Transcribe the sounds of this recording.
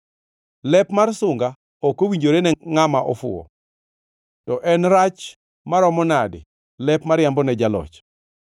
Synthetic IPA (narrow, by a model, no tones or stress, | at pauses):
lɛpmarsʊŋɡa | ɔkowiɲd͡ʒoɾenɛŋamaʔɔfʊ̰ɔ̰ | tɔʔɛnɾat͡ʃ | maɾɔmɔnadɪ̰ | lɛpmaɾjambɔnɛd͡ʒalɔ̰t͡ʃ